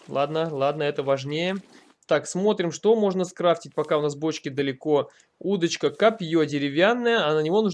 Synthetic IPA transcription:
lˠad̪nəlˠad̪nəɛt̪əvɐʐnʲejə | t̪aksmo̞t̪ɾʲɪmʂt̪omo̞ʐnəskɾaftʲɪt̚ʲpɐkaʊnasbo̞t͡ɕkʲɪd̪əlʲɪko̞ | ud̪ət͡ɕkəkapʲjodʲɪɾʲɪvʲanːəjəɐnənʲɪvo̞nu

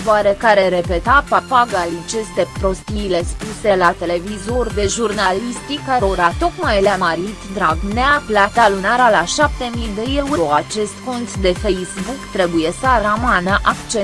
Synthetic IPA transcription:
oaɾekaɾeɾe̞pe̞t̪apapaɡalit͡ʃe̞st̪e̞pɾo̞st̪iːle̞spuse̞lat̪e̞le̞vizo̞rd̪e̞ʒurnalist̪ikaɾoɾat̪o̞kmajleamaɾit̪d̪ɾaɡneaflat̪alunaɾalaʃap̚t̪e̞mijd̪ejelwuoat͡ʃe̞st̪ko̞nt̪d̪e̞fejzbukt̪ɾe̞buje̞səɾamanəʔakt͡ʃe

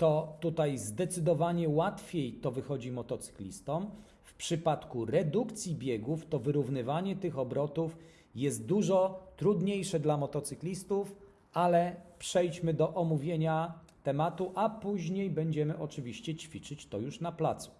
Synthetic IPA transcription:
t̪ɔt̪ut̪ajzd̪ɛt̪sɘd̪ɔvaɲɛwat̪fʲjejt̪ɔvɘxɔd͡ʑimɔt̪ɔt̪sɘ̥klʲḭst̪ɔm | fpʂɘpat̪kuɾɛd̪ukt̪sʲjibʲjɛɡuft̪ɔvɘɾuvnɘvaɲɛt̪ɘxɔbɾɔt̪uf | jɛst̪̚d̪uʐɔt̪ɾud̪ɲejʂɛd̪lamɔt̪ɔt̪sɘklʲist̪uf | alɛpʂɛjt͡ɕmɘd̪ɔʔɔmuvʲjeɲa | t̪ɛmat̪uʔapuʑɲejbɛɲd͡ʑɛmɘʔɔt͡ʂɘvʲiɕt͡ɕɛt͡ɕfʲit͡ʂɘt͡ɕt̪ɔjuʂnaplat̪su̥

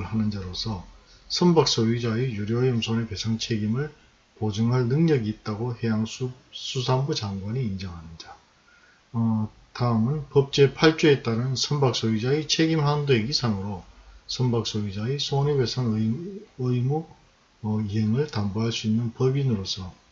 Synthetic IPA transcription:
ɯɭhanɯnd͡ʑaɾosʰʌ | sʰʌmbak̚s͈oɥid͡ʑaejuɾjʌːjɯmsʰonepe̞sʰaŋt͡ɕʰe̞ɡimɯɭ | pod͡ʑɯŋɦaɭnɯŋɲʌɡiːt̚t͈aɡohe̞jaŋsʰu | sʰusʰambut͡ɕaŋɡwaɲiːnd͡ʑʌŋɦanɯnd͡ʑa | taɯmɯnpʌp̚t͡ɕ͈e̞pʰaɭt͡ɕ͈uet͈aɾɯnsʰʌmbak̚s͈oɥid͡ʑait͡ɕʰeɡimɦandoeɡisʰaŋɯɾosʰʌmbak̚s͈oɥid͡ʑaisʰonewe̞sʰaŋ | ɯimu | iɦeŋɯɭtamboɦaɭs͈uinːɯnpʌbinɯɾosʰʌ

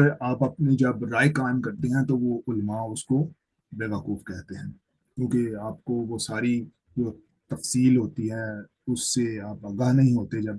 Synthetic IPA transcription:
ɾaːpɐpned͡ʒɐbɾaːekaːɪmkɐɾt̪eɦɛ̃t̪oʋoʊlmaʊsko | beːʋəkuːfkɛɦt̪eɦɛ̃ː | kjũːkeaːp̚koʋosaːɾi | d͡ʒoː | t̪ɐfsiːlɦoːt̪iɦɛ̃ | ʊsːeaːpɐɡaːɦnɐɦĩɦoːt̪ed͡ʒɐb

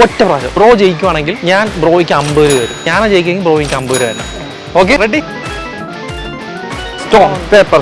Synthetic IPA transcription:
otːɐprɐːɕɐ̰bro̞ːʋt͡ɕejikʲːuʋaːɳe̞ŋɡilɲaːnbro̞ːʋikʲːɐmbɨɾuʋɐɾṵmɲaːnaːt͡ɕejikʲːɐeŋɡilbro̞ːʋiŋkʲːɐmbɨɾuɐɾnːa̰ | oːk̬ːereɖi | stoːepɐ

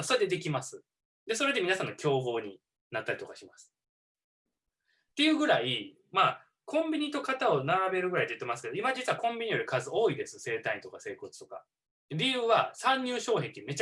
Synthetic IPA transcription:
so̞ɾed̪e̞d̪e̞kʲimasɨ | d̪e̞soɾe̞d̪e̞minasãnːo̞kʲʰo̞ːɡo̞ːɲ̟i | nat̪ːaɾʲit̪o̞kaɕimasɨ̥ | t̪ːe̞jɯ̟ːɡɯ̟ɾai | ma | kʰõ̞mbʲiɲ̟it̪o̞kat̪ao̞naɾabe̞ɾɯ̟ɡɯ̟ɾait̪eɯt̪ːe̞masɨ̥ke̞d̪o̞imad͡ʑit͡sɨβakõ̞mbʲiɲ̟ijo̞ɾɯ̟kazɨo̞ːid̪e̞sɨse̞ːt̪aĩnt̪o̞kase̞ːko̞t͡sɨ̥t̪o̞ka̰ | d̪̥eɾʲijɯ̟ːβasãɲ̟ːɨːɕo̞ːhẽ̞nt̪eɯ̟me̞t͡ɕ

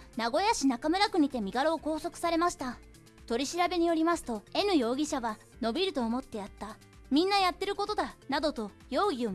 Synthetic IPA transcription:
naɡo̞jaɕinakamɯ̟ɾakɯ̟ɲ̟it̪e̞mʲiɡaɾo̞ːko̞ːso̞kɯ̥saɾe̞maɕi̥t̪a | t̪o̞ɾʲiɕiɾabe̞ɲ̟ijo̞ɾʲimasɨ̥t̪o̞e̞nɯ̟jo̞ːɡʲiɕaβa | no̞bʲiɾɯ̟t̪o̞ːmo̞t̪ːe̞jat̪ːa | mʲĩnːajat̪ːe̞ɾɯ̟ko̞t̪o̞d̪anad̪o̞t̪o̞ | jo̞ːɡʲio̞

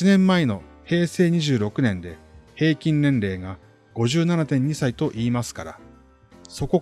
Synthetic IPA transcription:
inẽ̞mːaeno̞ | he̞ːse̞ːɲ̟iʑɨːɾo̞kɯ̟nẽ̞nd̪e̞he̞ːkʲĩnnẽ̞nɾe̞ːɡa | ɡ̥o̞ʑɨːnanat̪ẽ̞ɲ̟ːisait̪o̞ʔiːmasɨ̥kaɾa̰ | so̞ko̞

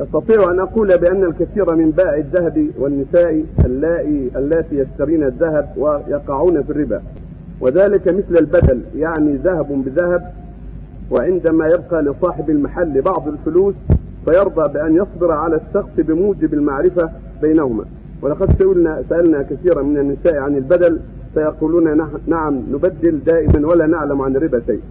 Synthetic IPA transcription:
jɑst̪ɑt̪ˤiːʕʔanʔɑquːlabɪʔanːalkaθiːɾamɪmbaːʕɪðːahabiwanːɪsaːʔiʔalːaːʔiʔalːaːt̪iːjast̪aɾiːnaðːaɦab̚wajɑqɑʕuːnafirːɪba̰ː | wʔɪðaːlɪkamɪθlalbad̪aljaʕniːðahabbɪðahab̚ | wɪʕɪnd̪amaːjab̚qɑːlɪsˤɑːħɪbalmaħalːɪbɑʕd̪ˤɪlfʊluːs | fajɑɾˤd̪ˤɑːbɪʔanjɑsˤd̪ɨɾʕalaʃːɑqsbɪmuːd͡ʒɪbalmaʕɾɪfa | bajnahʊma̰ː | wɪlɑqɑd̪saʔʊlnasaʔalnakaθiːɾamɪnanːɪsaːʔʕanalbad̪al | fajɑquːluːnanaʕamnʊbad̪ːɪld̪aːʔɪmanwalaːnaʕlamʕanɪɾːɪbaʃaj

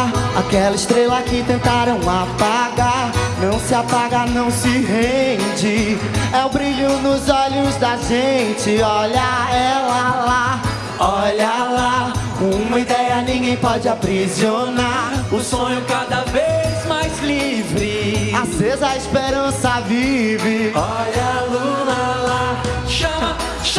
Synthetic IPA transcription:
akɛlɐist̪ɾelakɪt̪ẽnt̪aɾɐ̃w̃apaɡaɾnɐ̃w̃sɪapaɡaɾnɐ̃w̃sɪɦẽd͡ʒɪ | ɛwbɾiʎʊnʊzɔʎʊzd̪aʒẽt͡ʃɪɔʎɐɛlɐla | ɔʎɐlakõũmɐid̪ɛjɐnĩɡẽj̃pɔd͡ʒɪapɾizionaɾʊsõɲʊkad̪ɐvezmajzlivɾɪazvezɐispeɾɐ̃sɐvivɪɔʎɐlulɐla | ʃɐmɐ | ʃ

